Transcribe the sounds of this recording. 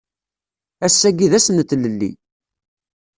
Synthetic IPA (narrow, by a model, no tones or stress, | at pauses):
æsːæɡiðæsənt̪ːləlːḭ